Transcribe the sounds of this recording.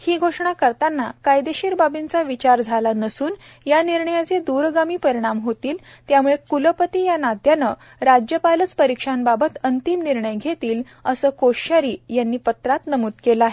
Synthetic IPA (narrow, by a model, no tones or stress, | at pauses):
hiːɡʱoʂɳ̃akəɾt̪anːa̰kajd̪eɕiːɾbabint͡saʋit͡ɕaɾd͡zʱalanəsuːn | janiɾɳəjat͡sed̪uɾɡamiːpəɾiɽ̃amɦot̪iːl | t̪jamuɭekuləpət̪ijanad̪janə | ɾad͡ʑjəpalət͡spəɾikʂanbabət̪ənt̪imniɾɳəjɡʱet̪iːl | əsəːkoɕaɾiːjanːiːpət̪ɾat̪nəmuːt̪kelaɦe